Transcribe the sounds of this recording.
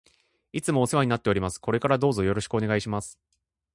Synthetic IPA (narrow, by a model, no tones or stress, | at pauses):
it͡sɨmo̞ːse̞βaɲ̟inat̪ːe̞o̞ɾʲimasɨ̥ko̞ɾe̞kaɾad̪o̞ːzo̞jo̞ɾo̞ɕi̥kɯ̟o̞ne̞ɡaiɕimasɨ̥